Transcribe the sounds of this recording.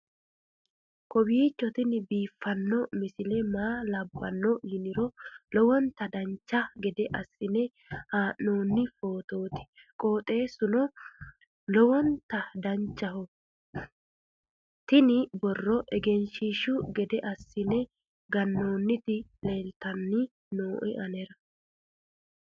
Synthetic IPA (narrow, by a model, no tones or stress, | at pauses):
kɔbiːt͡ʃːɔt̪ɪnɪbiːfːɐnːɔmɪsɪlɛmaːlɐbːɐ̰nːɔhɪnɪɾɔlɔwɔnt̪ɐd̪ɐnt͡ʃːɐɡɛd̪ɛʔɐsːɪnɛ | haːʔːo̞ːnːɪfo̞ːt̪oːt̪ɪ̥ | kʼo̞ːt̪ʼe̞ːsʊnɔ | lɔwɔnt̪ɐd̪ɐnt͡ʃːɐɦɔ | t̪ɪnɪbɔrːɔʔɛɡɛnʃɪʃʊɡɛd̪ɛʔɐsːɪnɛ | ɡɐnːo̞ːnːɪt̪ɪle̞ːlt̪ɐnːɪ | noːʔɛʔɐnɛɾɐ